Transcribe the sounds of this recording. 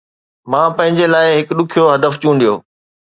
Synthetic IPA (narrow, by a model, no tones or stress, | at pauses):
mãːpɐ̃ɦɪ̃ɲd͡ʑelaːɪɦɪkɗʊkʰijoɦɐd̪əft͡ɕũːnd̪ijoː